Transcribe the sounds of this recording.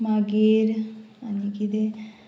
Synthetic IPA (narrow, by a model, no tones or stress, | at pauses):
maɡeɾ | anikid̪e